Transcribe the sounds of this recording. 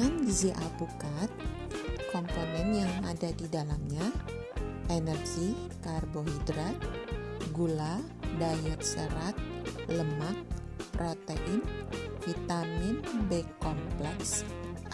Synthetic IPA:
aniziʔapukat̪̚ | kɔmponɛnjaŋadadidalamɲa | ʔenɛrɡi | karboɦidɾat̪̚ɡula | dajɛt̪̚səɾat̪̚ləmak̪̚ | pɾot̪eʔɪnfit̪amɪnbɛkːɔmplɛks

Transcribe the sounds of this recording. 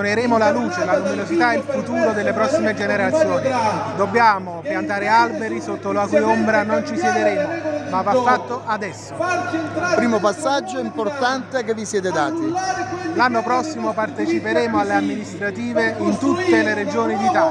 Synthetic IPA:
neɾeːmolaluːt͡ʃelaluminozit̪ailfut̪uːɾod̪elːepɾɔsːimed͡ʒeneɾat̪sːjoːnid̪obːjaːmopjant̪aːɾealbeɾisot̪ːolakujombɾanont͡ʃisjɛd̪eɾeːmomavːafːat̪ːoʔad̪ɛsːo | pɾiːmopasːad͡ʒːoimport̪ant̪ekevːisjɛːt̪̬ed̪aːt̪ilanːopɾɔsːimopart̪et͡ʃipeɾeːmoalːeamːinist̪ɾat̪iːveint̪ut̪ːeleɾed͡ʒoːnid̪it̪a

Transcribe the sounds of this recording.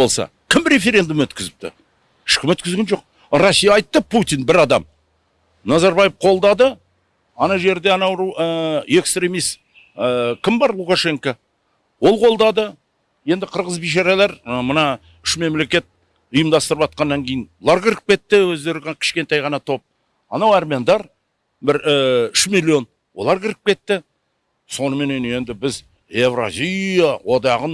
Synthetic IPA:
olˠsɑ̰kʲʰɪmɾʲe̞fe̞ɾʲe̞nd̪umɵt̪kʲɪzɪp̚t̪ɪ̰ | ɪ̥ʃkʲɪmɵt̪kʲɪzɡʲenʒo̞q̚ | ɾosʲːijɑːjt̪ːəpʰut̪ʲijnbɪɾɑd̪ɑ̰m | nɑzɑɾbɑjɪfqʰo̞lˠd̪ɑd̪ə | ɑnɑʒe̞ɾd̪e̞ɑnɑwɾuwəe̞kst̪ɾʲe̞mijst̪ | kʲɪmbɑɾlˠukaʃe̞ŋka | wo̞lˠqʰo̞lˠd̪ɑd̪ə | je̞nd̪ɪqʰəɾʁəzbijʃ̬ɑɾalˠeɾmənɑ | ʏʃme̞mle̞kʲe̞t̪̚ | ʊjəmd̪ɑst̪əɾəpɑt̪̚qɑnːɑŋkʲʰe̞jɪnwlˠɑɾkʲʰɪɾɪp̚kʲe̞t̪ːɪwɵzd̪e̞ɾɪɡ̪kʲʰɪ̥ʃkʲe̞nt̪ɑjʁɑnɑt̪ʰo̞p̚ | ɑnɑwɑrmʲeɑnd̪ɑɾ | bɪɾʏʃmilʲːio̞n | wo̞̰lˠɑɾkʲʰɪɾɪp̚kʲe̞t̪ːɪ | so̞nəme̞ne̞ne̞nd̪ɪbɪz | evra̰zʲijawo̞d̪ɑʁən

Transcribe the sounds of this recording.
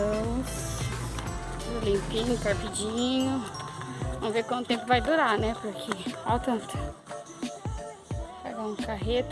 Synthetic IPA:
s | olĩmpĩɲʊkaɾpid͡ʒĩɲʊ | vɐ̃m̃vekwɐ̃nt̪ʊt̪ẽmpʊvajd̪uɾanɛpʊɾkʰeawt̪ɐ̃t̪ | pa̰ɡãũkaɦet̪

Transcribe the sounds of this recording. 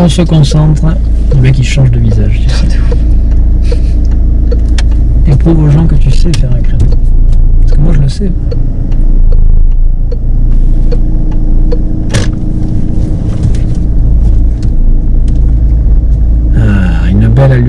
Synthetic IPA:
ɔ̃səkɔ̃sɑ̃t̪χ | lek̬ʲiʃɑ̃ʒd̪əvizaʒt̪ysɛ | epχuvoʒɑ̃kət̪ysɛfɛʁɛ̃kχed̪ɔ̃paʁsə̥kəmwaʒələsɛ | aynbɛlal

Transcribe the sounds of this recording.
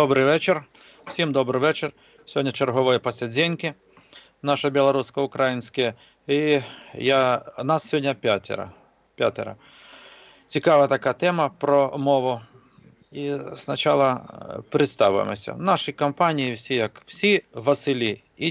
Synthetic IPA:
obɾɪjʋɛt͡ʃɪr | w̥sʲimd̪ɔbɾɪjʋɛt͡ʃer | sʲodʲnʲɐt͡ʃerɦɔʋɔjɛpɔsʲed͡zʲenʲkɪ | naʃɛbʲɪlˠɐɾuskɔʊkɾajinʲsʲkɐjɛ | ijanasʲːʋʲodʲnʲɐpʲat̪ʲɛ̰ɾɐ̰ | pʲat̪ʲɛɾɐ̰ | t͡sʲikaʋɐt̪ɐkat̪ɛmɐpɾɔmɔʋʊ | isnɐt͡ʃalˠɐpɾɪt̪st̪ɑʋʊjḛmɔ̰sʲɐ̰naʂɪjkɐmpanʲijiwsʲijɐkw̥sʲiʋɐsɪlʲi | i

